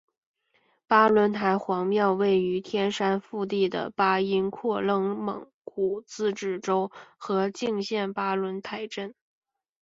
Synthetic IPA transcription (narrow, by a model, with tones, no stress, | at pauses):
pa˥lwə˧˥nt̪ʰa˧˥ɪxwɑ˧˥ŋmjɑ˥˧ʊwe˥˩ɪy˧˥t̪ʰjɛ˥nʂa˥nfu˥˧t̪i˥˩d̪ə̰˩pa˥i˥nkʰwɔ˥˧lɤ˥˩ŋmɤ̰˨˧˩ŋ | ku˨˩t͡sɹ̩˥˧ʈ͡ʂɻ̩˥˩ʈ͡ʂo˥ʊxɤ˧˥t͡ɕi˥˧ŋɕjɛ˥˩npa˥lwə˧˥nt̪ʰa˧˥ɪʈ͡ʂə˥˩n